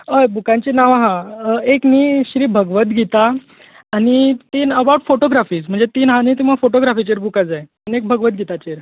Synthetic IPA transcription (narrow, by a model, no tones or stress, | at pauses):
əjbukãɲt͡ɕinaʋaɦãekniːɕɾiːbʱəɡʋət̪ɡʱit̪aː | ñit̪iːnəbaɽfoʈoɡɾafiːsm̤əɳd͡zet̪iːnɦãniːt̪̬iməɡfoʈoɡɾafit͡ɕiɾbukad͡zaj | nek̚bʱəɡʋət̪̚ɡʱit̪at͡ɕeɾ